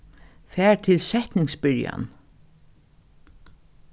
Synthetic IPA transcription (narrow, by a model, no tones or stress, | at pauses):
fæːɹt̪ʰɪlsɛht̪nɪŋsbɪɹja̰n